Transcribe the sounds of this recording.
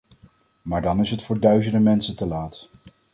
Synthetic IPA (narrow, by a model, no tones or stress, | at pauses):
maːɹdɑnɪsɦətfʊːɹdœɥzəndəmɛnsəntəlaːt